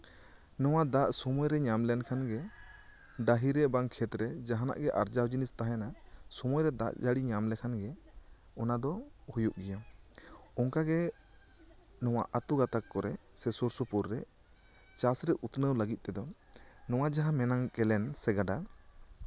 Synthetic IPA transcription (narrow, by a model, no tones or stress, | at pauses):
nɔw̃ad̪aʔsɔmujɾɛɲamlɛnkʰanɡɛ | ɖaɦiɾɛʔbaŋkʰɛt̪ɾɛd͡ʒaɦana̰ʔɡɛʔa̰ɾd͡ʒawd͡ʒinist̪aɦaanasɔmujɾɛd̪a̰ʔd͡ʒaɽiɲamlɛkʰanɡɛ | ɔnad̪ɔhujuʔɡɛja | ɔŋkaɡɛ | nɔw̃a̰ʔat̪uɡat̪akːɔɾɛsɛsuɾsupuɾːɛ | t͡ʃasɾɛʔut̪nəwləɡit̪̚ˀt̪ɛd̪ɔ | nɔw̃ad͡ʒaɦamɛnaŋkɛlɛnsɛɡaɖa